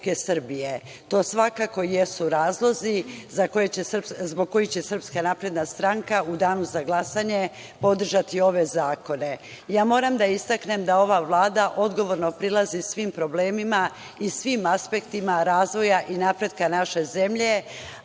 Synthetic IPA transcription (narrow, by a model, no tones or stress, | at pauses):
ke̞sɨr̩bije̞ | t̪o̞ːsʋakako̞jesuɾaːzlˠo̞zizako̞jet͡ɕe̞rpzbo̞ɡ̚ko̞jit͡ɕe̞sr̩pskanapɾe̞d̪nast̪ɾaŋkaud̪aːnuzaɡlˠasaɲe̞ | po̞d̪r̩ʒat̪io̞ʋe̞zaːko̞ne̞ | jaːmo̞ːɾamd̪aist̪akne̞md̪ao̞ʋaʋlˠaːd̪aʔo̞d̪ɡo̞ʋo̞ɾno̞pɾilˠazisʋimpɾo̞bleːmima | isʋimaspekt̪imaɾaːzʋo̞jaʔinapɾe̞d̪kanaʃe̞ze̞mʎe̞